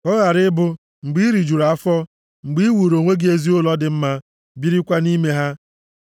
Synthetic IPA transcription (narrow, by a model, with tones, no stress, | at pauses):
ɔ˦ɣa˨ɾɪ˦bʊ˦ | ŋ͡m̩˨ɡ͡bi˦i˦ɾi˨d͡ʒu˨ɾa˨˦fɔ˦ | ŋ͡m̩˨ɡ͡bi˦wu˨ɾo˨ŋʷe˦ɡɪ˦e˦zi˦ʊ˦lɔ˦dɪ˨m̩˦ma˦ | bi˦ɾi˦kʷa˦ni˦me˦ɦa˦